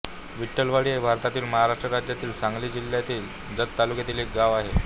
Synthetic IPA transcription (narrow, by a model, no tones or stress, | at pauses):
ʋiʈːəlʋaɽiːebʱaɾt̪at̪iːlməɦaɾaʂʈɾəɾad͡ʑjat̪iːlsãŋɡliːd͡ʑil̤ːjat̪iːl | d͡zət̪t̪ːalukjet̪iːlek̚ɡaʋaɦe